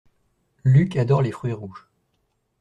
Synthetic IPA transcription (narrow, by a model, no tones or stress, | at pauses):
lykad̪ɔʁlefχɥiʁuʒ